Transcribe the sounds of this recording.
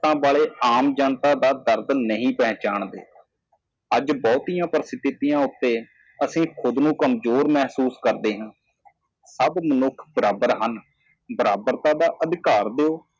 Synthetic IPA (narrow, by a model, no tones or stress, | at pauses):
t̪ãːbaːɭeːaːmd͡ʒaːnt̪aːd̪aːd̪əɾd̪nəɦĩːpɛ̃ːt͡ʃaːɳd̪ḛː | əd͡ʒbɔːt̪ijãːpɾəsɪt̪ɪt̪ijãːʊt̪ːeː | əsĩːkʰʊd̪nũːkəmzoːɾmɛːɦsuːskəɾd̪eːɦãː | səbmənʊkʰbəɾaːbəɾɦən | bəɾaːbəɾt̪ãːd̪aːʔəd̪ɪkaːɾd̪eːoː